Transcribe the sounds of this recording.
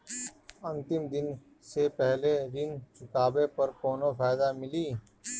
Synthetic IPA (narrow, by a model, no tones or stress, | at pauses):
ɐ̃nt̪ɪmd̪ɪn | sepɛɦleɾɪnkɪkaːbepɐɾkoːnofaːɪd̪amɪliː